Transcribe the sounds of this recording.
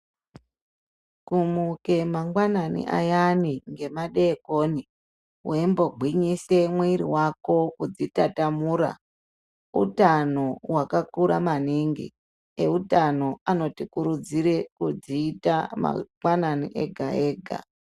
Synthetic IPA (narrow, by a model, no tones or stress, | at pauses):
kumuke̞maŋɡwananḭʔa̰janiŋɡe̞maɗeːkoːni | wembo̞ɡʱwiɲise̞mweɾiwako̞kud͡zitatamuːɾa̰ | ṵtano̞wakakuɾa̰maniŋɡḭ | eutano̞ano̞tikuɾud͡ziɾe̞kud͡ziːtama̰ŋɡwananiʔḛɡʱae̞ːɡʱa̰